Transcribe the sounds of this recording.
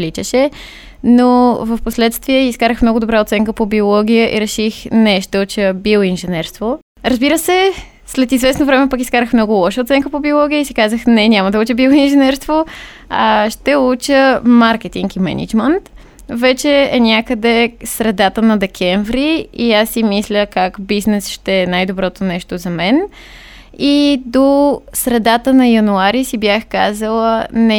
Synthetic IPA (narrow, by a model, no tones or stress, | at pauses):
lit͡ʃəʃɛ | novɐfposlɛt̪st̪viɛiskaɾəxmnɔɡʊd̪obɾaot̪sɛŋkəpobiolˠɔɡ̟ijəʔḭɾɛʃixnɛʃt̪ɛut͡ʃəbilˠinʒɛnɛɾst̪vo | ɾəzbiɾəsɛ | slɛt̪izvɛsnovɾɛmɛpɐkiskaɾəxmnɔɡʊlˠɔʃəot̪sɛŋkəpobiolˠɔɡ̟ijəisikazəxnɛnʲaməd̪ɐut͡ʃəbilˠoinʒɛnɛɾst̪vo | aʃt̪ɛut͡ʃəmaɾkɛt̪iŋkimɛ̰nḭd͡ʒmɛnt̪ | vɛt͡ʃɛɛnʲakəd̪ɛsɾɛd̪at̪ənɐd̪ɛkʰɛɱvɾiiasːimislʲəkakbiznɛsʃt̪ɛɛnajd̪obɾɔt̪onɛʃt̪ozɐmɛn | id̪osɾɛd̪at̪ənɐjɐnuaɾisibjaxkazəlˠənɛ